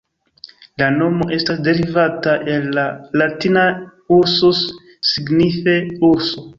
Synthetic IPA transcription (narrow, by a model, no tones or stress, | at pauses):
lano̞mo̞ʔe̞stasde̞ɾivataʔe̞lːalatinauɾsos | siɡnife̞uɾso